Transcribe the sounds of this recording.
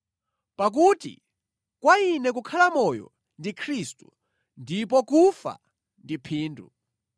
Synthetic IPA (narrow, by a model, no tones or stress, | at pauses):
pak̬utḭ | kwainɛk̬ukʰalamɔjɔ̰ | ndikʰɾistu̥ | ndipɔkufa̰ | ndipʰiːndṵ